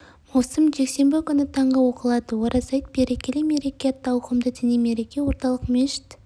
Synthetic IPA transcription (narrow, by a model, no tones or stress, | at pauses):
mowsəmʒe̞kse̞mbɪkʲʏnɪt̪ʰɑɴʁəwo̞qəlˠɑd̪əwoɾʔɑsɑjt̪̚beɾekʲeleme̞ɾe̞kʲeɑt̪ːɑwqəmd̪ət̪ʰɪneme̞ɾe̞kʲe̞wo̞ɾt̪ɑlˠəqmʲeʃɪ̥t̪